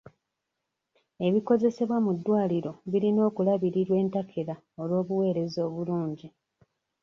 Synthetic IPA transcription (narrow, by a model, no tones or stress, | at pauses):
e̞βiko̞ze̞se̞βwamudːwaːliɾo̞βiɾino̞ːkulaβiɾiɾwe̞ːntakʰeɾa | o̞lwo̞ːβuwe̞ːɾe̞zo̞ːβuluːɲɟi